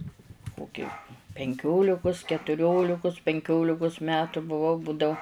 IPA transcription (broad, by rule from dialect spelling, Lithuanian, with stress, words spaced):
ˈkoːkʲɪ pʲɛŋʲˈkʲoːlʲɪkʊs kʲɛtʊˈrʲoːlʲɪkʊs pʲɛŋʲˈkʲoːlʲɪkʊs ˈmʲæːtʊ bʊˈʋɐʊ ˈbuːdɐʊ